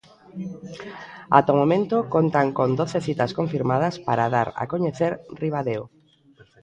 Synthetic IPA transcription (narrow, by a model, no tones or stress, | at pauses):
a̰t̪omomẽnt̪okont̪aŋkond̪oθeθit̪askõɱfiɾmað̞ɐspaɾaðaɾa̰koɲeθeɾriβ̞aðeo